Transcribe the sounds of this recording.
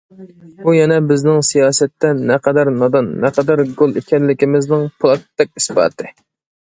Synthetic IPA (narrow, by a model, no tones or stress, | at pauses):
ujɛnɛbɪznɪŋsijɑːsɛt̪ːɛnɛqʰɛd̪æɾnɑd̪ɑnːɛqɑd̪æɾɡolˠekʲɛnlːɪkʲimɪznɪŋpʰlˠɑt̪ːɛk̚ʲi̥sbɑ̰ːt̪ɨ